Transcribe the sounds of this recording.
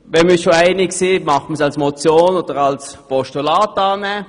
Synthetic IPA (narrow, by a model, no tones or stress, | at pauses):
ʋɛnmiʃoaɪnɪksiːmɑχən̩sɑlsmot͡sjoːnoːd̥əʁɑlspɔʃtulɑːtɑːnɛ